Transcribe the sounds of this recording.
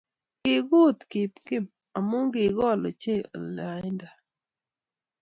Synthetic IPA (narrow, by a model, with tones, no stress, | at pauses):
kɪ˨ɡo˦˨t̪kɪ˨pkɪ˦˨p̚ | a˨mʊ˦ŋɡɪ˨ɡɔ˦˨lɔ̰˨t͡ʃe˦˨o̰˨la˨˦nda˨